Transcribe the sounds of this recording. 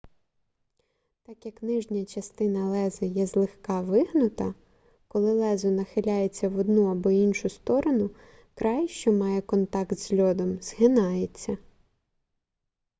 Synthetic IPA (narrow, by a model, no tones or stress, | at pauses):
t̪ɑkjɐknɪʒnʲɐt͡ʃɐst̪ɪnɐlˠɛzɪjɛzlˠɪxkɑʋɪɦnʊt̪ɐ | kɔlˠɪlˠɛzʊnɐxɪlʲajet͡sʲːɐʋɔd̪nuɐbɔinʃʊst̪ɔɾɔnʊ | kɾɑjʃt͡ʃɔmɑjɛkɔnt̪ɑkt̪z̥ʲlʲɔd̪ɔmz̥ɦɪnɑjet͡sʲːɐ